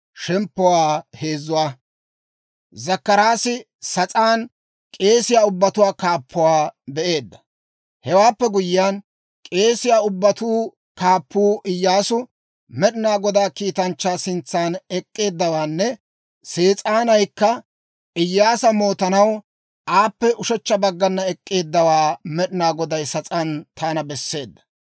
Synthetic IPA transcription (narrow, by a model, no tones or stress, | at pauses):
ʃɛmpːʊwaːhe̞ːzːʊwaː | zɐkːɐɾaːsɪ | sɐt͡sʼaːn | kʼe̞ːsɪjaːʊbːɐt̪ʊwaːkaːpʰːʊwaːbɛʔe̞ːd̪ːɐ̥ | hɛwaːpːɛɡʊjɪjaːn | kʼe̞ːsɪjaːʊbːɐt̪uː | kaːpːuːʔɪjːaːsʊ | mɛɗɪnaːɡɔd̪aːkiːt̪ɐnt͡ʃːaːsɪnt͡sːaːnɛkʼːe̞ːd̪ːɐwaːnːɛ | se̞ːt͡sʼaːnɐjkːɐ | ɪjːaːsɐmo̞ːt̪ɐnɐw | ʔaːpːɛʔʊʃɛt͡ʃːɐbɐɡːɐnːɐɛkʼːe̞ːd̪ːɐwaːmɛɗɪnaːɡɔd̪ɐjsɐt͡sʼɐnt̪ʰaːnɐbɛsːe̞ːd̪ːɐ̥